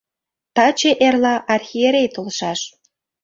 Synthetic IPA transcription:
t̪ɑt͡ɕeʔerlɑʔɑrxʲieɾʲejt̪olʃɑʃ

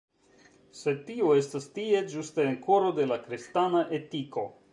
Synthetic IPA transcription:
se̞d̚tioe̞stastie̞d͡ʒusteenko̞ɾo̞de̞lakɾistanaʔe̞tiko̞̰

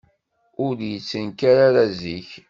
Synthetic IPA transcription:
ʊɾjət͡sːənkaɾaɾaziç

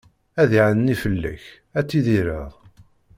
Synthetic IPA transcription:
æðiʕənnifəlːæ̰ç | æt͡sːiðiɾə̰ðˤ

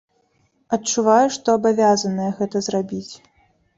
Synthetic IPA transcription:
ɐtt͡ʂuvajuʂt̪ɔɐbavʲazɐnɐjɛɣɛt̪ɐzrabʲit͡sʲ

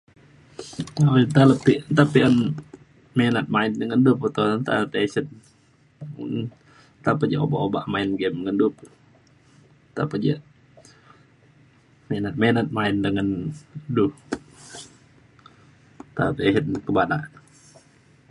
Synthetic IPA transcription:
at̪aləpit̪apian | menat̪̚maɪndəŋanduput̪ont̪a̰əp̪esət̪̚ | t̪apəd͡ʒəobaʔobaʔmaɪnɡɛmŋəndupu | t̪apəd͡ʒə | menat̪̚manat̪̚maɪndəŋanduh | t̪a̰piesət̪̚kəbadaʔn

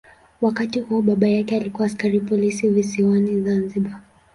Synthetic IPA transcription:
wakatihuɔɓaɓajakɛalikuwaːskaɾipɔlisivisiwanizanziɓa

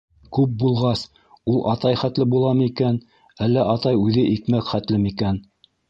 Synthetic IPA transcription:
kʉp̚bulˠʁɑs | ulˠʔɑt̪ɑjχæt̪lɘbulˠɑmikæn | ælːæʔɑt̪ɑjʉðɘʔikmækχæt̪lɘmikæn

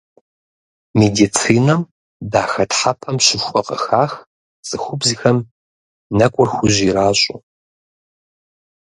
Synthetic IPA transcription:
medit͡sʰiːnɐm | daːxɐtħapʰɐmɕɪɕʷʼɔqɐ̰xaːx | sʼɨxʷʊbzixɐm | nɐkʷʼʊrxʷʊʑiɾaːɕʼʊ̰

